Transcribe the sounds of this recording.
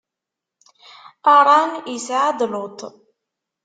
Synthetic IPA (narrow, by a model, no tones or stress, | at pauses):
aɾˤɑnisʕad̪ˤlʊt̪